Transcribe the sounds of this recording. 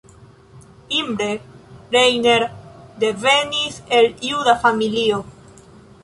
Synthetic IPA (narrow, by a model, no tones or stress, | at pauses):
imbɾeɾejneɾd̪e̞ve̞nise̞ljudafamilio